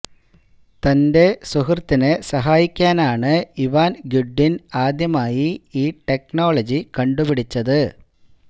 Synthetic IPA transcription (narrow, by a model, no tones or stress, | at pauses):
t̪ɐnde̞suɦɐrt̪ːinɨsɐɦaːjikʲːaːnaːɳɨiʋaːnɡuɖːinaːd̪jɐmaːjiiːʈe̞knoːɭɐd͡ʑikɐɳɖupiɽit͡ɕːɐðɨ